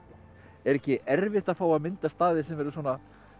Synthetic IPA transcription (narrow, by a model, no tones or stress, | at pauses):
ɛɾɛhcɪʔɛɾvɪht̪aðfaːwamɪnt̪ast̪aːðɪsɛmvɛɾʏs̬ɔːna